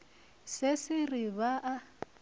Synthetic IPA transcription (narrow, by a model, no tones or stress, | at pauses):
sɪsɪriβaʔa